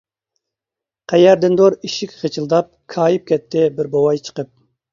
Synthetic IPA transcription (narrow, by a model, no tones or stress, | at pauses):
qʰæjæɾd̪ɪnd̪oɾiʃikʲʁet͡ʃʰɨlˠd̪ɑp̚kʰɑːjip̚kʲʰɛt̪ʰːɪbɪɾbowɑjt͡ʃʰə̥qəp̚